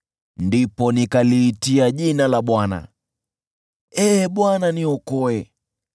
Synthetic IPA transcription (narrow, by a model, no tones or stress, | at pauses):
ndipɔnikaliːtiaʄinalaɓwana̰ | ɛːɓwananiɔkɔɛ